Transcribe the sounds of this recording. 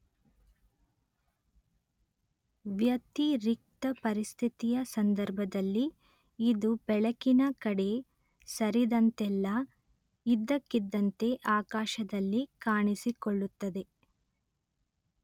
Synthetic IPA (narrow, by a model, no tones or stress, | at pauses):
ʋjɐt̪iɾik̚t̪ɐpɐɾist̪ʰit̪ijɐsɐnd̪ɐɾbʱɐd̪ɐlːiː | d̪ubɛɭɐkinɐkɐɽe̞ | sɐɾid̪ɐnt̪ɛlːɐ | id̪ːɐkːid̪ːɐnt̪e̞ʔaːkaːʃɐd̪ɐlːikaːɳisikoɭːut̪ːɐd̪e̞